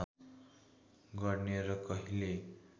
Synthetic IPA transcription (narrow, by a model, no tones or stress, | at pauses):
ɡʌɾneɾʌkʌɦile